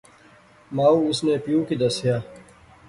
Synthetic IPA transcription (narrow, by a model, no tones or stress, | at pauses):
maːuʊsneːpijũːkid̪ɐsijaː